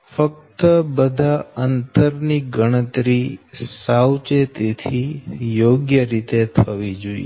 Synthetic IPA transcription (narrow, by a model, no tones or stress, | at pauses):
fək̚t̪əbəd̪ʱaənt̪əɾniɡəɽ̃ət̪ɾisawt͡ʃet̪it̪ʰijoɡjəɾit̪et̪ʰəʋid͡ʒoḭ